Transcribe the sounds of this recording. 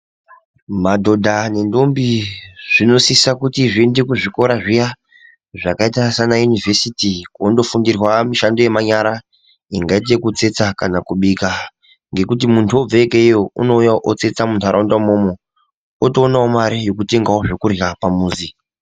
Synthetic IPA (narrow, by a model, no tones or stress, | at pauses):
madʱo̞dʱane̞ndo̞mbiʐ̥ino̞sisakutiʐiende̞kuʐiko̞ɾaʐija | ʐakaitasanajunivʱe̞sitikondo̞fundirwamiʃando̞je̞maɲaɾa | iŋɡait̬ekut͡se̞t͡sakanakuɓika | ŋɡe̞kut̬imuntʰuo̞b͡veekeijo̞ṵno̞ujaʔot͡se̞t͡samuntʰuaɾaundamomo | otoːnaomaɾijo̞kute̞ŋɡaoʐokurapamuːzi